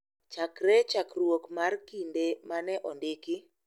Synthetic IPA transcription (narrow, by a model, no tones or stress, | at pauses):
t͡ʃakɾɛt͡ʃakrwokmarkindemanɛʔɔndɪkɪ